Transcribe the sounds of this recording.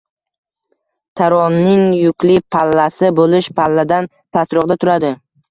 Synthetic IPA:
t̪ʰaɾɒnːɪŋjʊkʲlɪpʰalːasɪbolɪʃpʰalːad̪an | t̪ʰasɾʊʁd̪at̪ʰʊɾad̪ɪ

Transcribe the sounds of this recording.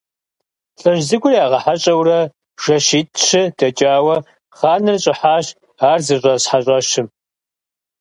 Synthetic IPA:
ɬʼɐʒzɨɡʷʊriaːʁɐħaɕʼɐwrɐ | ʒ̥ɐʃiːtʰʼɕɪdɐt͡ʃʼaːwɐ | χaːnɨrɕʼɪħaːɕ | aːrzɨɕʷʼɐɕħaɕʼɐɕɪm

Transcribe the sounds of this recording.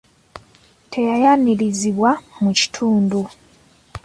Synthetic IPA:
tʰe̞jajaniliziβwamuci̥tʰuːndu

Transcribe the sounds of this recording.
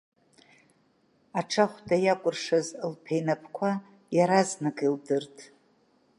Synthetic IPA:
aʈ͡ʂʰaχʷdajakʷʼʊrʂazlpʰejnapʰkʷʰa | jaɾaznaɡʼildɨrtʰʼ

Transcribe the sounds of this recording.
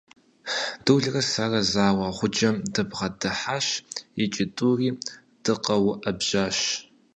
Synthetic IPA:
dɨwɮrɐsarɐzaːwɑχʷʊd͡ʒɐmdɨbʁɐdɨħaʃit͡ʃʼɪtʼuriː | d̥ɨqɐwʔɐbʒaːʃ

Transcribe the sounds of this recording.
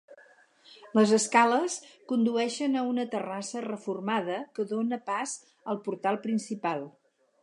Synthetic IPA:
ləzəskaləskund̪uɛʃənəunət̪ərasərəfurmað̞əkəðonəpaz | əlˠpuɾt̪alˠpɾinsipalˠ

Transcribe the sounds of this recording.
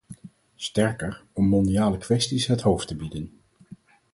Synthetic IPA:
stɛɹkəɹɔmːɔndiaːləkʋɛstisɦətɦowftəbidən

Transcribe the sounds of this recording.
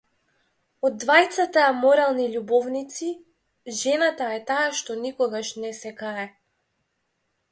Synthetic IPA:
ɔd̪ːvajt̪sat̪amɔɾalˠniʎubɔvnit̪si | ʒɛnat̪aɛt̪aaʃt̪ɔnikɔɡaʃnɛsɛkaɾɛ

